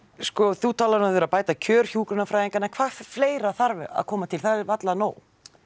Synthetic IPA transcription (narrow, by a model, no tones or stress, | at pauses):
skɔθut̪ʰaːlaɾnaθvɪʏɾapaːjt̪acʰœːɾ̥çuːkɾʏnafɾaːjiŋkanːakʰvaːfleːjɾaθaɾvɪa̰ðkʰɔːmat̪ʰɪlθaðvat̪lano̰ːw